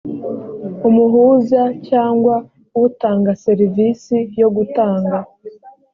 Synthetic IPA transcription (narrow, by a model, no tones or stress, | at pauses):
umuɦuzacaːŋɡwa | utaːŋɡase̞ɾivisijo̞ɡutaːŋɡa